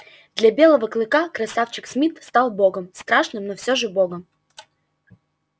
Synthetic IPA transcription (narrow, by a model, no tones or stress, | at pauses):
d̪lʲɐbʲe̞lˠəvəklˠɨkakɾɐsaft͡ɕɪksmʲit̪st̪alˠboɡəmst̪ɾaʂnɨmnofsʲoʐɨboɡəm